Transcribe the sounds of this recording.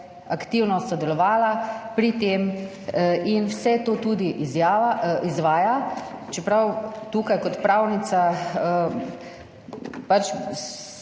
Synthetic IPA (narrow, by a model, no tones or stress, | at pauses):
akt̪iwnɔsɔd̪ɛlɔʋaːlapɾit̪eːm | inwsɛt̪oːt̪uːd̪iʔizjaːʋaizʋaːjat͡ʃɛpɾawt̪uːkajkɔt̪pɾaːwnit̪saə | pat͡ʃ